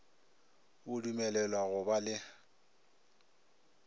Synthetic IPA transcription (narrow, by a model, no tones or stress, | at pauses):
ʊdumɛlɛlwaɣʊbalɪ